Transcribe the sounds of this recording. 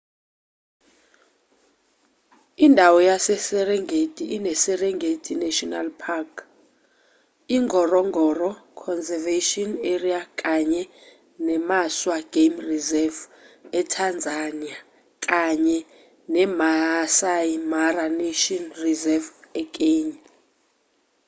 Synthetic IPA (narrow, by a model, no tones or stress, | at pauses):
indʱawɔjasɛsɛrɛŋɡʱetʼiʔːnɛsɛrɛŋɡʱetʰʼinɛʃɔna̰lpʰakʰ | iŋɡʱɔrɔŋʱɔrɔkʰɔnzɛveʃiɔneriakʼaɲɛ | nɛmaswaɡ̥emrizɛvɛtʰand͡zʱania | kʼaɲɛ | nɛmasajmaraneʃɔnrizɛvɛk̬ʼeɲ